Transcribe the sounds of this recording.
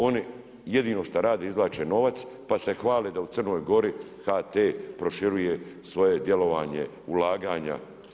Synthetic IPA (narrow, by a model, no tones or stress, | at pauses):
o̞ni | je̞d̪iːno̞ʃt̪aɾaːd̪eizlaːt͡ʃeno̞ʋat̪spase̞xʋaːled̪ausər̩no̞jɡo̞ɾi | xat̪eːpɾo̞ʃiɾuje̞sʋo̞je̞d̪je̞lo̞ʋaːɲe̞̰ | ulaːɡaːɲa̰